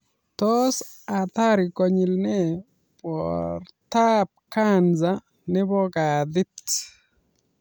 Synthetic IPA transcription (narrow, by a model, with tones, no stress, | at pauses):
t̪ɔs | a˨t̪a˦ɾɪkɔ˨ɲɪ˨lnɛ˦ | pɔrt̪ap̚kanza | nɛ˦bɔ˦ɡad̪ɪ˦t